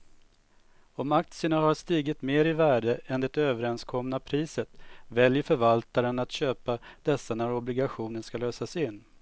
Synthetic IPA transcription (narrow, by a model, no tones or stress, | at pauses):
ɔmak̚t̪sɪəɳaɦaʂt̪iːɡɪt̪meːɾɪvæːɖəʔɛnd̪ɛt̪øːvəɾɛnskʰɔmnapʰɾiːsət̪vɛljəɾfœɾvalt̪aɾənat̪ɕøːpad̪̥ɛsːanæɾɔblɪɡaɧuːnənʂkaløːsasɪnː